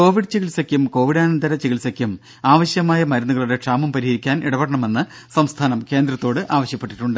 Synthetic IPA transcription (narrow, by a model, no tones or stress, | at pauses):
ko̞ːʋiɽt͡ɕiɣilsɐkʲjumko̞ːʋiɽaːnɐnd̪ɐɾɐt͡ɕiɣilsɐkʲjum | aːʋɐɕjɐmaːjɐmɐɾɐnːuɣɐɭuɽe̞ʈʂaːmɐmpɐɾihɐɾikʲːaːnḭɽɐʋɐɽɐɳɐme̞nːɨ | sɐmst̪ʰaːnɐmke̞ːnd̪rɐt̪ːo̞ːɽɨʔaːʋɐɕjɐpːeʈːi̥ʈːuɳɖɨ